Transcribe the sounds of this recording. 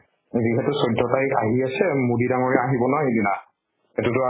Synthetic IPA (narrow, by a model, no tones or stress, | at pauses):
ziɦɛtʊsɔjdʱɔtajaɦiasɛmudidaŋɔɹɛaɦibɔnɔjedina | ɛtutʊ